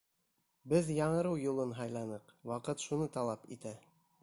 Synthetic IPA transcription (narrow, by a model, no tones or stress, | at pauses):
bɘðjɑɴɤ̆ɾɤwjulˠɤnɦɑjlˠɑnɤqwɑqɤt̪ʃunɤt̪ɑlˠɑpḭt̪æ